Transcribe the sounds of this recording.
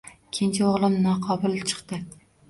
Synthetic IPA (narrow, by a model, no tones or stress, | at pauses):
kʲʰɪnt͡ʃʰaoʁlˠɪmnɒqʰɒbʊlˠt͡ʃʰɨ̥qt̪ɪ